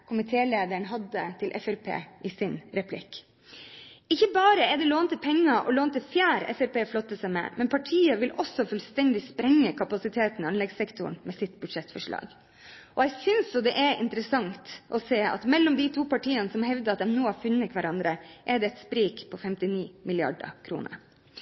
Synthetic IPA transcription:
kʰʊmɪt̪ʰeːleːd̪əɳɦɑd̪ət̪ʰɪlʔɛ̰fɛɾpʰḛːʔɪsɪnɾɛpʰlɪ̰k | ɪçːəbɑːɾəɛd̪ɛloːnt̪əpʰɛŋːɑʔɔ̰loːnt̪əfjæːɾɛ̰fɛɾpeːflɔt̪ːəsæɪmɛ̰mɛnpʰɑʈʰiːəʋɪlʔɔsːɔfʉlst̪ɛnd̪ɪspɾɛŋːəkʰɑpɑsɪt̪ʰeːt̪n̩ɑnɛɡsɛkt̪ʊ̰ɳmɛsɪt̪ːbʉd̪ʂɛt̪fɔʂɭɑ̰ːɡ | ʔɔɛɪsʏnsjɔd̪ɛʔɛɾɪ̰nt̪əɾəsɑŋt̪ʔɔseːɑ̰t̪mɛlːɔmd̪it̪ʰuːpɑʈiːənəsɔmhɛʋd̪əɑt̪̚d̪ɛmnoːhɑɾfʉnːəkʰʋæɾɑnd̪ɾəʔɛɖ̪ɛɛt̪spɾiːkpʰɔfɛmt̪ɪniːmɪlɪɑ̰ɖə̰kʰɾṵːnə̰ɾ

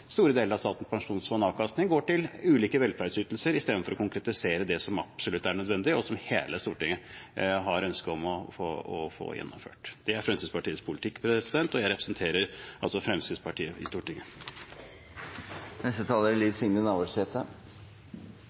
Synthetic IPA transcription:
st̪uːɾəd̪eːləɾɑst̪ɑːt̪n̩spʰɑŋʂuːnsʋɑnɑːkɑst̪nɪŋɡoːʈɪlʉːliːkəʋɛlfæɾɖsyːt̪l̩səɾɪst̪eːd̪nfɔɾɔkʊŋkɾɛt̪ɪseːɾəd̪ɛsɔmɑ̰psɔlʉt̪ːæɳœd̪ʋɛnd̪ɪɔsɔmhḛːləst̪uːʈɪŋːəɦɑɾœnskəɔmɔfoɔ̰fo̰ːjɛ̰nːʊ̰mfø̰ːʈd̪̥ɛæɾfɾɛmsid̪spʰɑʈiːəspʰʊlɪt̪ʰɪkːpʰɾɛsɪd̪ɛnt̪ɔjæɪɾɛpɾəsnt̪ʰeːɾəɾɑ̰lsɔfɾɛmsɪd̪spʰɑʈʰiːəɪ̰st̪uːʈɪŋə | nɛst̪ət̪ʰɑːləɾliːsɪŋd̪ənɑʋoɾsɛt̪ə

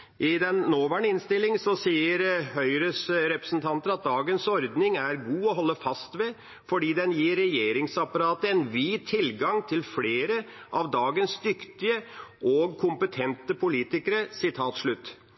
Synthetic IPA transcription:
ʔɪd̪ɛnːoːʋæːɳəɪnst̪ɪlːɪŋsɔsiːəɾhœʏɾəsɾɛpɾəsn̩t̪ʰɑnt̪ənɾɑt̪̚d̪ɑːɡənsɔɾd̪nɪŋæɾɡuːɔɦɔlːəfɑst̪ʋɛ | fɔɖiːd̪ɛnjiːɾːɛjeːɾɪŋsɑpɑɾɑːt̪əɛnʋiːt̪ʰːɪlɡɑŋt̪ʰɪlfleːɾəʔɑʋd̪ɑːɡənsd̪ʏkt̪ɪəʔɔɡkʰʊmpət̪ʰɛnt̪əpʰʊliːt̪ɪkəɾəsɪt̪ʰɑːt̪ʂɭʉt̪ː

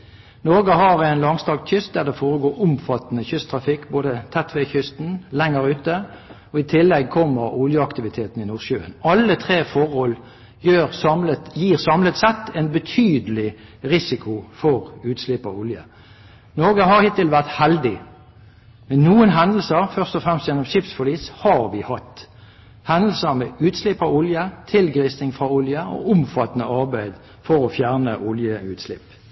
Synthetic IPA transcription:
noɡəɦɑʁɛɪnlɑŋst̪ɑːɡt̪çʏst̪̚d̪æːʁd̪ɛfoːʁəɡoːʊmfɑt̪nəçʏst̪ʰʁɑfɪkːboːd̪ət̪ʰɛt̪ʰʋeçʏst̪n̩lɛŋːəʁʉːt̪ə | ɔɪt̪ʰɪlːɛɡ̚kʰɔmːəʁʊljəɑkt̪ɪʋɪt̪ʰeːt̪n̩ɪnuːʁʃøːə̰nɑlːət̪ʰʁeːfɔʁhɔl | jøːʁlət̪jiːʁsɑmlət̪sɛt̪ːɛnbət̪ʰyːd̪əlɪʁɪsɪkʰʊfɔʁʉːt̪slɪpɑ̰ʊljə̰ | noːɡəhɑʁhɪt̪ːɪlʋæʁt̪hɛld̪ɪ | mɛnnuːənɦɑnd̪l̩səʁfœʁst̪ɔfʁɛmst̪jɛnːɔmʃɪpsfɔliːshɑʁʋɪhɑt̪ː | hɑnd̪l̩səʁmɛʉːt̪slɪpːɑʊljət̪ʰɪlɡʁisnɪŋfʁɑʊljəɔ̰ʔʊmfɑt̪ənəɑʁbæɪd̪ | fɔɾɔfjæʁnəʔʊljəʉːt̪slɪp

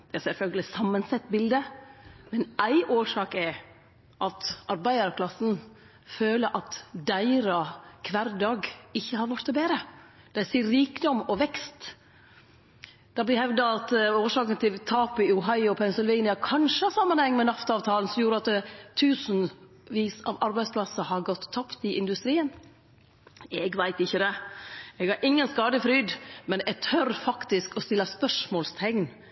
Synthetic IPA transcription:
d̪̥ɛæsɛlfœlɡəlɪsɑmːənsɛt̪ːbɪld̪əmɛnæɪʔoːʂɑːkɛ | ʔɑt̪ʔɑɾbæɪd̪əɾkʰlɑsn̩ | føːləɾʔɑt̪d̪æɪɾɑkʰʋæːɾd̪ɑːɡɪçːəhɑɾʋɑʈt̪ɛbeːɾə | d̪̥æɪsiːɾiːkd̪ɔmɔʋɛkst̪ | d̪̥ɑblɪhɛʋd̪ɑɑt̪oːʂɑːkənt̪ʰɪlt̪ʰɑːpɪʊɦɑɪʊpʰɛnsɪlʋɛɪnɪɑkʰɑnʂəɑsɑmːənhɛŋːmɛnɑft̪ɑːʋt̪ʰɑːln̩sɔmjuːɾəɑt̪̚d̪ɛt̪ʰʉːsən̩ | ʋiːsɑ̰ːʋɑɾbæɪspʰlɑsəhɑɾɡɔt̪ʰːɑpt̪ɪʔɪnd̪ʉst̪ɾiːən | ɛɡʋæɪt̪ɪçːəd̪ɛɛɡhɑɾʔɪŋːənskɑːd̪əfɾyːd̪mɛnɛɡt̪ʰœɾfɑkt̪ɪskɔst̪ɪlːɑspœʂmoːlst̪ʰɛŋn

